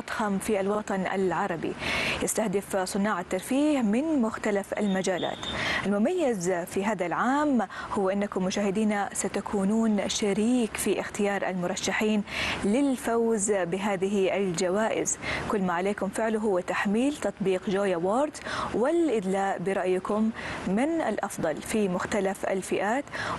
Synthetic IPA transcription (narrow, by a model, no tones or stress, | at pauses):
t̪ˤxamfiʔalwɑt̪ˤɑnʔa̰lʕɑɾˤɑbḭjɪst̪ahd̪ɪfsˤɨnːɑːʕat̪ːɑɾˤfiːhmɪnmʊxt̪alafʔa̰lmad͡ʒaːla̰ːt̪ʔalmʊmajːɪzfiɦaːðalʕaːmhʊwːʔɪnːakʊmːʊʃaːhɪd̪iːnasat̪akʰuːnuːnʃaɾiːkfiʔɪxt̪ɪjɑːɾˤʔa̰lmʊɾˤɑʃːaħiːnlɪlfawzbɪɦaːðɪɦiʔald͡ʒawaːʔɪ̰zkʊlːmaʕaleːkʊmfɪʕlʊɦʊwːat̪aħmiːlt̪ɑt̪ˤbiːqd͡ʒoːjawoːɾd̪zwɪlʔɪd̪laːʔbɪɾˤɑʔjkʊmːɪnʔɪ̰lʔɑfd̪ˤɑlfimʊxt̪alafʔa̰lfɪʔaːt̪